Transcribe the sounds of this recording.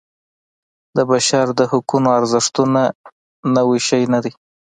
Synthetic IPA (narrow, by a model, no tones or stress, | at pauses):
d̪əbaʃɑɾd̪əhʊkunoaɾzɪʂt̪una | nawiʃajnad̪i